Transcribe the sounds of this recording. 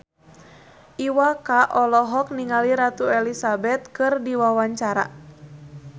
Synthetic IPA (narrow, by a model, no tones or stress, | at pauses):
ʔiwakaʔɔlɔɦɔk̚niŋaliɾat̪uɛlisabɛt̪̚kɨrdiwawaɲt͡ʃaɾa̰